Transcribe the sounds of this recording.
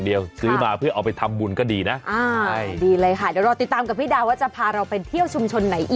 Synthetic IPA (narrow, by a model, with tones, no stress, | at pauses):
ŋdi˨˧əwsɯː˦˥maː˨˩pʰɯ˥˩ʔa˧wpa˧jt̪ʰa˧mːu˧nkɔː˥˩diː˧na˦˥ʔʔaː˧diː˧lɤː˧jkʰa˥˩dɛ˨˦wɾɔː˧t̪i˨˩t̪ːaː˧mka˨˩pʰiː˥˩daː˧waː˥˩t͡ɕa˨˩pʰaː˧ɾa˧wpe˧nt̪ʰi˥˩əwt͡ɕʰu˧mt͡ɕʰo˧nːa˩˦jʔiː˨